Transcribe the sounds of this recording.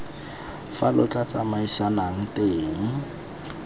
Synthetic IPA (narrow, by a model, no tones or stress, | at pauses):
falʊt͡ɬʼat͡samaiʃanaŋ̩teːŋ̩